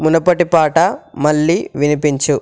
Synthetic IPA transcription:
munɐpɐʈipaːʈɐmɐɭːiʋinipiɲt͡ʃu

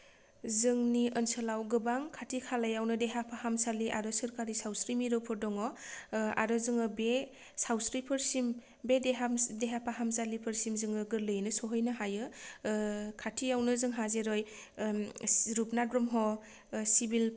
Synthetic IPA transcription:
zɯŋniənsɯlawɡɯbaŋkʰatʰikʰalajawnɯdeɦapʰahamsaliʔaɾɔsɯɾkaɾisawsɾimiɾɯpʰɔɾdɔŋɔa̰ɾɔzɯŋɯbe | sawsɾipʰɯɾsim | bedeɦamdeɦapʰaɦamsalipʰɯɾsimzɯŋɯɡɯɾlɯjnɯsɔɦɯjnɯɦajɯ | kʰatʰijawnɯzɯŋɦazeɾɔj | ɾupnabɾɔmɦɔ | sibil

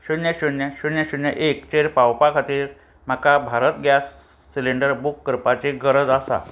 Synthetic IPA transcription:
ɕunjaɕunjaɕunjaɕunjəʔekt͡ɕeɾpawpakʰat̪iːɾ | m̤akabʱaɾət̪ɡʱjasː | ileɳɖəɾbukːəɾpat͡ɕeɡəɾəd͡zasa̰

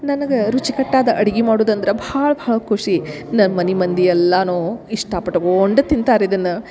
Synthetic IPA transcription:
nɐnɐɡeɾut͡ʃikɐʈːaːd̪ɐʔɐɽiɡimaːɽoːd̪ɐnd̪ɐɾebɐaːɭɐbʱaːɭɐkʰuʂinɐnmɐnimɐnd̪iɛlːɐnoːiʂʈapɐʈːɐɡooɳɖɐt̪ːint̪aːɾeid̪ɐnːɐ

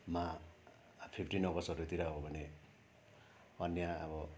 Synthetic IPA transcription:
ma | pʰipʰʈinʌɡʌsʌɾut̪iɾaɦobʱʌne | ʌnjaabɔ

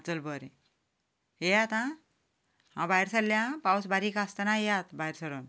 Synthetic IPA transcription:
t͡səlbəɾe | ejat̪ã | ɦãbajɾsəllːjãpawsbaɾikast̪ənajjat̪bajɾsəɾon

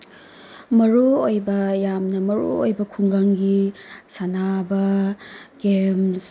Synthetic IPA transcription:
mɐɾuojbɐjamnɐmɐɾṵo̰jbɐkʰuŋɡaŋɡisanabɐ | ɡems

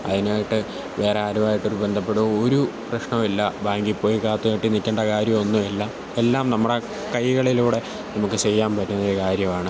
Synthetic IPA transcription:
ɐ̰ðinaːjiʈːɨ | ʋe̞ːɾeaːɾuʋaːjiʈːo̞ɾube̞nd̪ʱɐpːe̞ɽuoɾuprɐɕɳɐmilːɐbaːŋɡipːo̞ːjikaːt̪ːuaʈːɨnikʲːeːɳɖɐkaːɾjɐmo̞nːumelːɐ | elːaːmnɐmːuɽe̞ | kɐjɣɐɭiluːɽe̞ | nɐmukːɨt͡ɕe̞jːaːmpɐɾːunːɐoɾukaːɾjɐmaːɳɨ

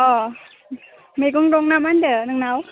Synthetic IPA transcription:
ɔ | mekuŋdoŋnamandənɯŋnaw

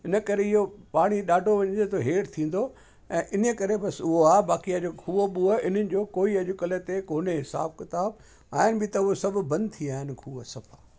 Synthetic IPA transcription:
ɪnə̆kɐɾeɪɦopaːɽ̃iɗaːɖʱoʋɐɲə̃d͡ʑet̪oɦeːʈt̪ʰĩːn̆d̪o | ɛ̃ːʔɪnəkɐɾebɐsʊɦoaːbaːkiad͡ʑokʰuːɓuəɪn̤ənɪ̆d͡ʑoːkoːiɐʄʊkəlet̪ekoːneɦɪsa̰ːb̚kɪt̪aːb̚ | aːɦɪnɪ̆bʱɪt̪ɐʊɦosɐbʱʊ̆bɐ̃nd̪̚t̪ʰiaːɦɪnɪ̆kʰuːəsɐpʰaː

